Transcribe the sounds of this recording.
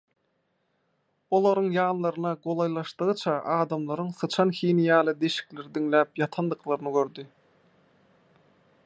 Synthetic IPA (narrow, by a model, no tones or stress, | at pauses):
o̞lˠɑɾɯŋjɑːnlˠɑɾɯnɑɡo̞lˠɑjlˠɑʃt̪ɯʁɯt͡ʃʰɑʔɑːd̪ɑmlˠɑɾɯŋsɯt͡ʃʰɑnxiːnijɑːlˠɯd̪e̞ʃi̥kle̞ɾid̪iŋlæːpjɑt̪ʰɑnd̪ɯqlˠɑɾɯnɯɡøɾd̪i